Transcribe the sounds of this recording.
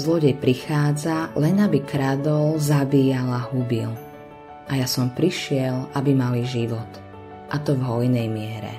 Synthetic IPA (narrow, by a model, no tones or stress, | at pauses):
zlɔɟɛjpɾixaːd͡zalɛnabikɾad̪ɔlzabiːjalaɦubil | ajasɔmpɾiʃɪɛlabimaliʒiʋɔt̪ | ʔat̪ɔvɦɔjnɛjmɪɛɾɛ̰